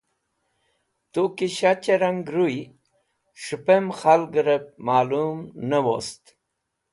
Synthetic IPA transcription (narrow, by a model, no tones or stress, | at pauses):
t̪ukiɕat͡ɕeɾaŋɡɾuj | ʂupemxalɡɾep̚maːlumnəwo̰st̪